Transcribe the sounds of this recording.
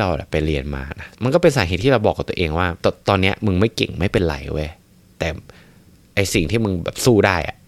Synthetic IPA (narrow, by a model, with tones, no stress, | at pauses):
ɾa˧wʔa̰˨˩pa˧jɾi˧ənma̰ː˧na˦˥ma˧nkɔː˥˩pe˧nsaː˩˦ɦeː˨˩t̪ʰːiː˥˩ɾa˧wbɔː˨˩k̚ːt̪u˧ə˧ʔeː˧ŋwaː˥˩t̪ːt̪ɔː˧nːi˦˥ɐmɯ˧ŋma˥˩jkḛ˨˩ŋma˥˩jpe˧nla̰˨˧˦jʔṵ˥˩˨j | t̪ɛː˨˩ | ʔa˧jsi˨˩ŋt̪ʰiː˥˩mɯ˧ŋbɛː˨˩p̚suː˥˩daː˥˩jʔa̰˩ʔ